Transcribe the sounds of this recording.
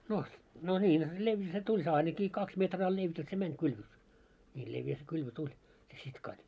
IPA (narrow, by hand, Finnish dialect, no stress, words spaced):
no no nʲiːn leʋjæ se tulʲ se ɑinɑki kɑks metrɑː leʋjæ se mænʲ kylʋø nʲiː leʋjæ se kylʋø tulʲ se sitkɑd̥̆